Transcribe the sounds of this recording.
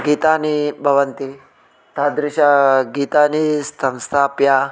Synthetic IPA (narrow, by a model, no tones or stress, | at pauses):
ɡiːt̪aːnibʱɐʋɐnt̪i | t̪ad̪ɾɪʃaɡiːt̪aːnisɐ̃wst̪ʰaːpja